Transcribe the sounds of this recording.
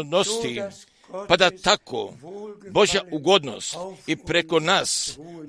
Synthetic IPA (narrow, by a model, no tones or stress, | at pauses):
d̪nost̪i | pad̪at̪ako̰boʒjauɡo̞d̪no̞̰st̪ipɾeko̞nas